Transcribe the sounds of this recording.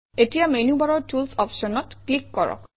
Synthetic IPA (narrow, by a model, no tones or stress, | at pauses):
etijamenjubaɹɔɹtulsɔpʃɔnɔtklikːɔɹɔ̰k